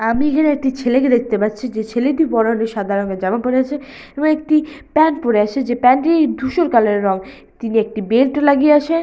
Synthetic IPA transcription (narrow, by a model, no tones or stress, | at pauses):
amiekʰaneek̚ʈit͡ɕʰeleked̪ek̚ʰt̪epat̪ːɕʰid͡ʑet͡ɕʰeled̪ipɔɾoneʃad̪ʱaɾoŋked͡ʑamapoɾeat͡ɕʰe | eboŋek̚ʈipɛnpoɾeaʃʰed͡ʑepɛnʈed̪ʱuʃoɾkaleɾɾɔŋ | t̪iniek̚ʈibelʈlaɡieaʃʰe